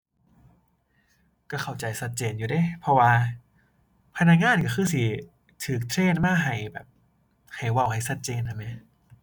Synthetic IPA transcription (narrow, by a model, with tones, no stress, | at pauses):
ka˧˩kʰa˨˩wt͡ɕa˨˩jsa˧t̪̚t͡ɕeː˧˩njuː˨˩da˧˥˩jpʰɔ˧waː˧ | pʰa˧na˧k̚ŋaː˧˥˨nkɔː˧˩xɯː˧˥˩si˧˩ | t̪ʰɯː˨˩k̚t̪ʰɾeː˧˥˨nmaː˧˥˩ɦa˨˩jbɛ̰ː˨˩p̚ | ha˨˩jwa˧˩wha˧˩jsa˧˦t̪̚t͡ɕeː˧˨nha˧˩ma˦˥˦